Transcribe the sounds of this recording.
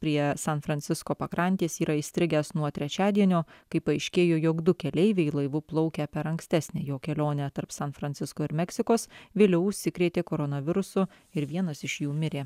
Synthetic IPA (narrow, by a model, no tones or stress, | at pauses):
pʲɾʲiɛsɐnfɾɐnʲt̪sʲɪskoːpɐkɾɐnʲt̪ʲiːsiːɾɐisʲt̪ʲɾʲɪɡʲæsnuɔt̪ʲɾʲɛt͡ʃʲæːd̪ʲiɛnʲoːkɐɪpɐɐɪʃʲkʲeːjoːjoːɡd̪ʊkʲɛlʲɛɪʋʲɛɪlˠɐɪʋʊplˠɔʊkʲɛpʲɛɾɐŋksʲt̪ʲæsʲnʲɛjoːkʲɛlʲoːnʲɛt̪ɐɾpsɐnfɾɐnʲt̪sʲɪskoːɪɾmʲɛksʲɪkoːsʋʲeːlʲɛʊʊʃʲsʲɪkɾʲeːt̪ʲeːkoːɾonɐʋʲɪɾʊsʊ | ɪɾʋʲiɛnɐsɪʃjuːmʲɪɾʲeː